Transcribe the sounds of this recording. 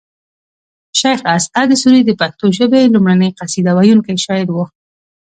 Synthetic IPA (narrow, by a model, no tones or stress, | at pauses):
ʃajxasad̪əsuɾid̪əpak̚t̪oʒəbelumɽanəjqasid̪awajunkajʃɑjɪd̪wo